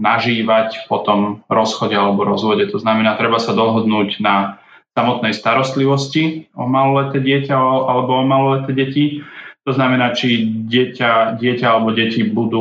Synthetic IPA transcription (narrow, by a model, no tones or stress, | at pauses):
naʒiːʋacpɔt̪ɔmɾɔsxɔɟɛalɛbɔɾɔzʋɔɟɛt̪ɔznamɛnaːt̪ɾɛbasad̪ɔɦɔd̪nuːɟna | samɔt̪nɛjst̪aɾɔst̪liʋɔsciɔmalɔlɛt̪ɛːɟɪɛcaʔalɛbɔɔmalɔlɛt̪ɛːɟɛcit̪ɔznamɛnaːt͡ʃiɟɪɛcaɟɪɛcaalɛbɔɟɛcibud̪uː